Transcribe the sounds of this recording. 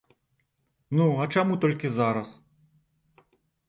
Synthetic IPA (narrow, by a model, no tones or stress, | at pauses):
nuɐt͡ʂamut̪ɔlʲkʲizaɾɐs